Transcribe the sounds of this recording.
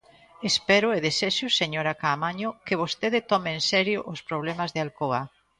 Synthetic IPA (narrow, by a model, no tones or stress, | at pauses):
espɛɾʊeðeseʃʊseɲoɾakaːmaɲʊkeβ̞ost̪eðɪt̪ɔmeːnsɛɾjʊʔʊspɾoβlɛmazðealkoa